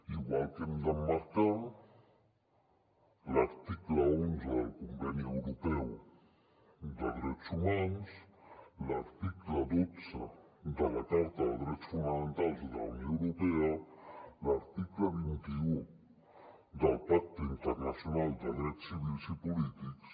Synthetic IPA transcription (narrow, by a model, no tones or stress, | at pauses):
iβalt̪emd̪amaɾkaŋ | laɾt̪ikulaonzeðalkumbɛnuewɾopɛw | d̪aðiɾɛt̪sumanuslaɾt̪iklad̪osad̪alak̪aɾt̪aad̪ɾɛt͡sfumaant̪azd̪aunjõewɾopealaɾt̪ikulaβint̪iu | d̪alpak̚t̪eint̪ɛrnasjonald̪ad̪ɾɛt̪sivilsipolit̪iks